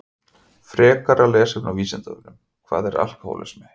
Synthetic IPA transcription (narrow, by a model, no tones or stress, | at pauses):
fɾɛːkaɾalɛːsɪmnawviːsɛnt̪avɪnʏm | kʰva̰ːðɛɾa̰l̥kaho̰ːwlɛ̰smɛ